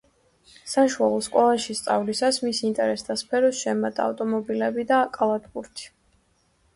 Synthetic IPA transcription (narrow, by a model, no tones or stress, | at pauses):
saʃualˠɔskʼɛlˠaʃist̪sʼavlisasmisint̪ʼɛɾɛsd̪aspʰɛɾɔsʃɛmat̪ʼa̰ːvt̪ʼɔmɔbilɛbid̪akʼalˠat̪ʰbʼuɾt̪ʰi̥